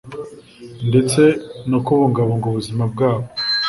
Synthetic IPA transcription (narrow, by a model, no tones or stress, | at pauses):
ndet͡se̞nokuβoːŋɡaβoːŋɡoβuzimab̚ɡaːβo